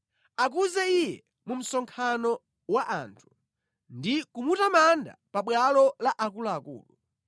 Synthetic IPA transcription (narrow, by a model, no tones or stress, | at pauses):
ak̬uzɛijɛ | mum̩sɔŋkʰanɔ | waʔantʰu̥ | ndikumutamanda̰paɓwalɔlaʔakulaːkṵːlu